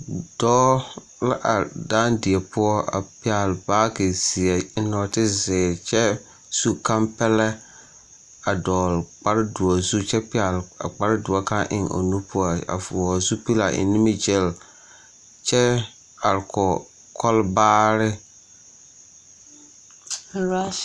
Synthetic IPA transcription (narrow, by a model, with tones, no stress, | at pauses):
d̥ɔː˦ | la˦ʔa˨daː˦ndɪ˨ɛ˨pʊ˦ɔ˦a̰˨pɪ˦a˨lbaː˦ke˨si˨ɛ˨ɪ˦nɔ˨tɪ˦zɪː˨t͡ʃɛ˦ | su˦kã˦mpɛ˦lɛ˦ | a˨dɔː˨lk͡pa˦ɾɪ˦dʊ˨ɔ˨zu˦t͡ʃɛ˦pɪ˦a˨la̰˨k͡pa˦ɾɪ˦dʊ˨ɔ˨ka˦ʔɪ̰˨ŋo̰˨nu˦pʊ˦ɔ˦a̰˨fu˨ɔ˨zu˦pi˦la̰˨ʔɪ̰˨nɪ˦mi˦d͡ʒɛ˦˨l | t͡ʃɛ˦ | a˨ɾkʰɔ˨ | kʰɔ˦lbaː˦ɾɪ˦ | a˦